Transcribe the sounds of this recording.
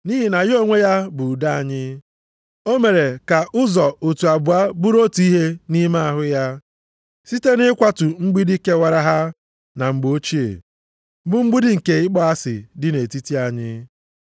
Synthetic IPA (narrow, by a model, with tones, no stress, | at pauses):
ni˦ɦi˦na˨jo˦ŋʷe˦ja˦bʊ˨da˦a˦˨ɲɪ˦ | o˦me˨ɾe˨ka˨ʔʊ˦zɔ˨o˨tu˨a˨bʊ˨a˦bu˦ɾo˦tu˨˦i˦ɦe˦ni˦ma˦a˨ɦʊ˦ja˦ | si˦te˦nɪ˦kʷa˦tʊ˨ŋ͡m̩˦ɡ͡bi˦dɪ˦ke˦wa˦ɾa˦ɦa˦ | na˨ŋ͡m̩˨ɡ͡bo˦t͡ʃi˦ḛ˨˦ | bʊ˦ŋ͡m̩˦ɡ͡bʊ˦dɪ˦ŋ̩˨ke˨ɪ˦k͡pɔ˦a˦sɪ̰˨dɪ˦ne˨ti˦ti˦a˨ɲɪ˦